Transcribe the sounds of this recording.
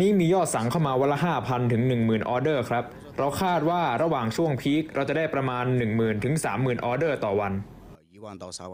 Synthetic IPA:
niː˦˥miː˧jɔː˥˩t̪̚sa˩˦ŋkʰa˥˩wmaː˧wa˦˥la˦˥ɦaː˥˩pʰa˧nt̪ʰɯ˩˦ŋnɯ˨˩ŋmɯː˨˩nʔɔː˧dɤː˥˩kʰɾa˦˥p̚ | ɾa˧wkʰaː˥˩t̪̚waː˥˩ɾa˧waː˨˩ŋt͡ɕʰu˥˩əŋpʰiː˦˥k̚ɾa˧wt͡ɕa˨˩da˥˩jpɾa˧maː˧nːɯ˨˩ŋmɯː˨˩nt̪ʰɯ˩˦ŋsaː˩˦mːɯː˨˩nʔɔː˧dɤː˥˩t̪ɔː˨˩wa˧n

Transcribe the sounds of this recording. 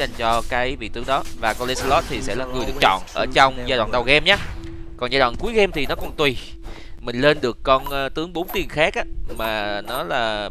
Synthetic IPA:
za˨˩jŋ̟t͡ɕɔ˧kaː˨˦jvḭ˧˨t̪ɨ˨˦əŋɗɔ˨˦vaː˨˩kɔ˧le˧˦sa˧lɔ˦˥t̚t̪ʰi˨˩sɛ̰˧˥laː˨˩ŋɨ˨˩əjɗɨ˨˩ək̚t͡ɕɔ̰˧˨nʔəː˧˩t͡ɕɔ˧wŋ͡mzaː˧ɗw̰ːnɗa˨˩wɣɛ˧mɲaː˨˦˥kɔ˨˩nzaː˧ɗw̰ːnku˨˦jɣɛ˧mt̪ʰi˨˩nɔ˨˦kɔ˨˩nt̪wi˨˩ | mï˨˩ŋ̟le˧nɗɨ˨˩əkːɔ˧nː˧t̪ɨ˨˦əŋɓo˨˦nt̪i˨˩ənxaː˦˥k̚ʔaː˨˦maː˨˩nɔ˨˦laː˨˩

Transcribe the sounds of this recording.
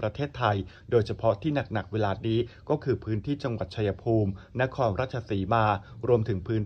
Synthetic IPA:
pɾa˧t̪ʰeː˥˩t̪ʰːa˧jdoː˧jt͡ɕʰa˧pʰɔ˦˥t̪ʰiː˥˩na˨˩k̚na˨˩k̚weː˧laː˧t̪̚niː˦˥kɔː˥˩kʰɯː˧pʰɯː˦˥nt̪ʰiː˥˩t͡ɕa˧ŋwa˨˩t̪̚t͡ɕʰa˧ja˧pʰuː˧mna˦˥kʰɔː˧nɾaː˥˩t̪̚t͡ɕʰa˧siː˩˦maː˧ɾu˧əmt̪ʰɯ˩˦ŋpʰɯː˦˥n

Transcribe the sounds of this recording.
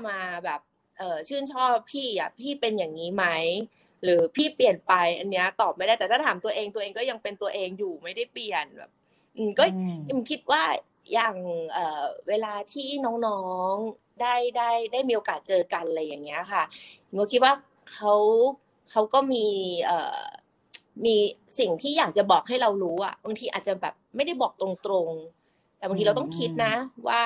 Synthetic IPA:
maː˧bɛː˨˩p̚ | ʔɤː˨˩t͡ɕʰɯː˥˩nt͡ɕʰɔː˥˩pʰːiː˥˩ʔa̰˨˩pʰiː˥˩pe˧njaː˨˩ŋniː˦˥ma˦˥j | ɾɯː˩˦pʰiː˥˩pli˨˩ənpa˧jʔa˧nːi˦˥ɐt̪ɔː˨˩p̚maː˧˦jɾaː˥˩j̪ɛː˨˩t̪ʰaː˥˩t̪ʰaː˩˦mt̪u˧ɐʔeː˧ŋt̪u˧ʔːŋkɔː˥˩ja˧ŋpe˧nt̪u˧ɐʔeː˧ŋjuː˨˩ma˥˩jda˥˩jpli˨˩ənbɛ̰ː˨˩p̚ | ʔɯː˧˩mkɔː˥˩jmɯ˨˦kʰi˦˥t̪̚waː˥˩ | jaː˨˩ŋʔɤː˨˩weː˧laː˧t̪ʰiː˥˩nɔː˦˥ŋnɔː˦˥ŋ | daː˥˩jdaː˥˩jda˥˩jmiː˧ʔoː˧kaː˨˩t̪̚t͡ɕɤː˧ka˧nla˧jːa˨˩ŋːi˦˥ɐ˧kʰa˥˩tʰkɔː˥˩kʰi˦t̪̚waː˥˩ | kʰa˦˥w | kʰa˦˥wkɔː˥˩miː˧ʔɤ̰ː˨˩ | miː˧si˨˩ŋt̪ʰiː˥˩jaː˨˩k̚t͡ɕa˨˩bɔː˨˩k̚ɦa˥˩jɾa˧wɾuː˦˥ʔa̰˨˩ba˧ŋt̪ʰiː˧ʔa̰ː˨˩t̪̚t͡ɕa˨˩bɛ̰ː˨˩p̚ma˥˩jda˥˩jbɔː˨˩k̚t̪ɾo˧ŋt̪ɾo˧ŋ | t̪ɛ˨˩a˧ŋt̪i˧a˧wt̪ɔ˥˩ŋkʰi˦˥t̪̚na˦˥wa̰ː˥˩

